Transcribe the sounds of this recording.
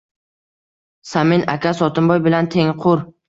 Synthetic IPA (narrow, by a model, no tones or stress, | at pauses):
samɪnakʲʰasɒt̪ʰɪmbɒjbɪlant̪ʰe̞ŋqʰʊɾ